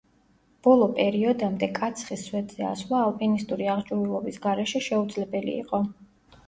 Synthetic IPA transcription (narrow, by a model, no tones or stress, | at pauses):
b̥ɔlˠɔpʼɛɾiɔd̪amd̪ɛkʼat̪sʰχisːwɛd̪zɛa̰slˠaɔpʼinist̪ʼuɾiaʁd͡ʒʼuvilˠɔbisɡaɾɛʃɛʃɛud̪zlɛbɛlḭːqʼɔ